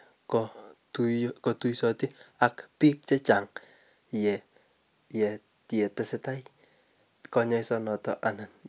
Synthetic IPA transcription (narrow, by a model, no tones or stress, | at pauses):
kɔtukɔtujsɔtiakpik̚t͡ʃɛt͡ʃaŋ | jɛ | jɛ | tjɛtɛsɪtaj | kɔɲɔjsɔnɔtɔ̰ʔanan